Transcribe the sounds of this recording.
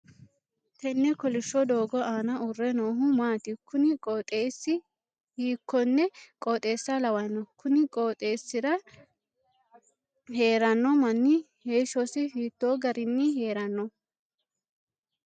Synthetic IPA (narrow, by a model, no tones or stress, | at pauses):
t̪ɛnːɛkɔlɪʃːɔd̪o̞ːɡɔʔaːnɐʊrːɛnoːɦʊmaːt̪ɪkːʊnɪkʼɔt̪ʼeːsːɪ | hiːkːɔnːɛkʼoːt̪ʼe̞ːsːɐlɐwɐnːɔkʰʊnɪkʼoːt̪ʼe̞ːsːɪɾɐ | he̞ːɾɐnːɔmɐnːɪ | heːʃɔsɪhiːt̪ːo̞ːɡɐɾɪnːɪɦeːɾɐnːɔ